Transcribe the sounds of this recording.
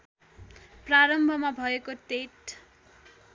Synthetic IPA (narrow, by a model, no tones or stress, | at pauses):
praɾʌmbʱʌmabʱʌekot̪eʈ